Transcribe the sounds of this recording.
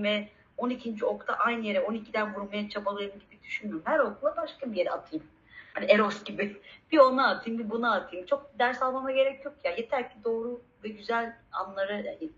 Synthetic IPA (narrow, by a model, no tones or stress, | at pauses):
vɛ | o̞nicʰind͡ʒio̞kt̪ʰa̰ʔajnɯje̞ɾɛo̞nicʰid̪ænvuɾmajat͡ʃʰabalˠajɯmɟibid̪yʃynøɾmhæɾo̞kʰulˠabaʃkabije̞ɾɛat̪ʰɯjɯm | hanieɾo̞sɟibɪb̥io̞naːt̪ʰɯjmbibunaːt̪ʰɯjmt͡ʃʰo̞k̚bid̪æɾsalˠmamaɟe̞ɾɛcjo̞kjajet̪ʰæɾcʰid̪o̞ːɾu | vɛɟyzælʲa̰nlˠaɾɯjanɪ